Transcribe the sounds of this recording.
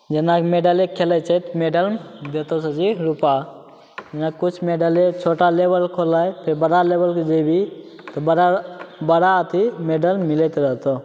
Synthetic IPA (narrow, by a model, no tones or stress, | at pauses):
d͡ʒenakmeːɖəlekʰelət͡ʃət̪meɖəld̪eːt̪osəd͡ʒiɾupa | d͡ʒɐnakkːʊt͡ʃʰmeɖalet͡ʃʰoːʈalebəlkʰolaepʰeɾbəɽaleːbəlked͡ʒebi | t̪ɔbɽabəɽat̪ʰimeɖəlmɪlet̪ɾəɦt̪o